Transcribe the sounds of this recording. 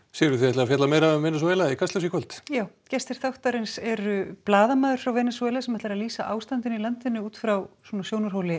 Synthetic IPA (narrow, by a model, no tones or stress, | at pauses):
sɛjɾʏθiɛtlaɣafɛt̪lamejɾaʏmvɛːnɛsɔɛːlaɛkʰast̪ɛws̬jikʰvœlt̪jaːw | cɛst̪ɪɾ̥θawht̪aɾɪnsɛɾʏplaːðamaːðʏɾ̥fɾawvɛːnsuɛːlasɛmɛt̪lɾaðliːsaʔa̰ːwst̪ant̪ɪnilant̪ɪnːʏuːt̪fɾawswɔnasjownʏɾɦowlɪ